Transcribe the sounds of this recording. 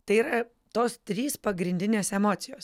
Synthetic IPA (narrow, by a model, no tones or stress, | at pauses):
t̪ɐɪiːɾɐ | t̪oːst̪ʲɾʲiːspɐɡɾʲɪnʲd̪ʲɪnʲeːsɛmoːt̪sʲɪjoːs